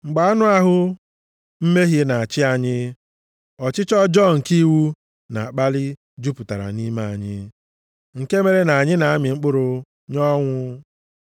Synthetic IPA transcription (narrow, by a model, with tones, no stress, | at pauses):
ŋ͡m̩˨ɡ͡ba˨a˦nʊ˦a˦ɦʊ˦ | m̩˦me˦ɦe˦na˨a˨t͡ʃɪ˦a˨ɲɪ˦ | ɔ˨t͡ʃɪ˦t͡ʃɔ˦d͡ʒɔ˦ŋ̩˨ki˦wu˦ | na̰˨a˨k͡pa˦lɪ˦ | d͡ʒu˦pʊ˨ta˨ɾa̰˨ni˦ma˨a˨ɲɪ˦ | ŋ̩˨ke˦me˨ɾe˦na˨a˨ɲɪ˦na˨a˦mɪ˨ŋ͡m̩˦k͡pʊ˦ɾʊ˦ | ɲɔ˦ŋʷʊ˦